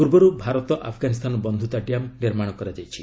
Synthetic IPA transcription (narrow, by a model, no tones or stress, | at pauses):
puɾbɔɾubʱaɾɔt̪ɔʔa̰pʰɡanis̬t̪ʰanɔbɔnd̪ʱut̪aɖijamniɾmaɽ̃ɔkɔɾad͡ʒajt͡ʃʰi